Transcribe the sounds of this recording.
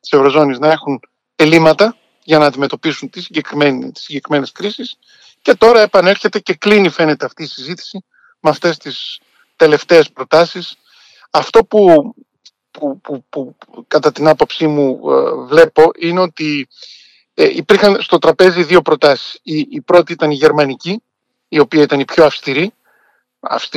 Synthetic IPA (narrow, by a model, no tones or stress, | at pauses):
t̪i̥se̞vɾo̞zo̞niznɐe̞xun | e̞limɐt̪ɐ | ʝɐnɐːnd̪ime̞t̪o̞pisunt̪isiɲɟe̞kɾiment̪i̥siɲɟe̞kɾime̞ne̞skɾisis | ce̞t̪o̞ɾɐe̞pɐne̞ɾçe̞t̪e̞ce̞klinife̞ne̞t̪eɐft̪iːsizit̪i̥si | meɐft̪e̞st̪is | t̪e̞le̞ft̪e̞ːspɾot̪ɐsis | ɐft̪o̞pu | pupupu | kɐt̪ɐt̪inɐpo̞psimuvle̞po̞ʔineo̞t̪i | ipiɾxɐnst̪o̞t̪ɾɐpe̞ziðio̞pɾo̞t̪ɐsi̥siːpɾo̞t̪iit̪ɐniʝe̞ɾmɐniciː | o̞piɐit̪ɐnipço̞ɐfst̪iɾi | ɐ̰fs